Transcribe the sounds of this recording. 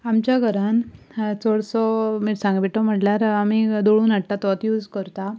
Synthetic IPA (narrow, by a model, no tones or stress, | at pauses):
amt͡ɕjaɡʱəɾan | t͡sɔɭsɔmiːɾsãŋɡbiʈɔm̤əʈljaɾamiːd̪oɭuːnaɽt̪at̪t̪juːd͡zkəɾt̪a